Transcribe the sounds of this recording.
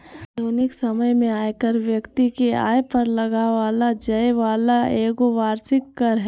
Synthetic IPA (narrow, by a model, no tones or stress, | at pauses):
doːnɪksɐməjmẽaːjkəɾʋjɐkt̪ikea̰ːjpɐɾlɐɡaʋaːlad͡ʒɐeʋaːlaʔeːɡoʋaːɾsɪkːɐɾɦ